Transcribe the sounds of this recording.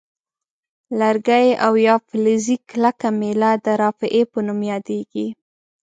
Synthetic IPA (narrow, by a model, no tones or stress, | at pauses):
laɾɡajʔawjɑflɪziklakamelad̪əɾɑfɪʔepənumjɑd̪eɡi